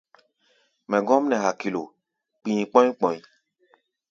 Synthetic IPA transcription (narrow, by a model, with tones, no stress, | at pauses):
mɛ̃˨ɡɔ̃˦m˦nɛ̃˨ɦa˨ki˨lo˨ | k͡pĩ˨k͡pɔ̃˦ĩ˦k͡pɔ̃˨ĩ˨